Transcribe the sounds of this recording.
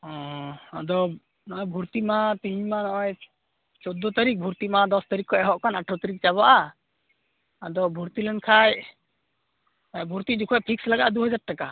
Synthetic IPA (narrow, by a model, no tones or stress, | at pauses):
ɔ̃ad̪ɔ | nɔʔɔjbʱuɾt̪imat̪iɲmanɔʔɔj | t͡ʃɔd̪ɔt̪aɾik̚bʱuɾt̪imad̪ɔst̪aɾikːɔɛɦɔʔkʰanaʈʰɔt̪aɾik̚t͡ʃaβaʔa | ad̪ɔbʱuɾt̪ilɔnkʰaj | bʱuɾt̪id͡ʒukʰɔjpʰikslaɡaʔad̪uɦɔd͡ʒaɖ̚ʈaka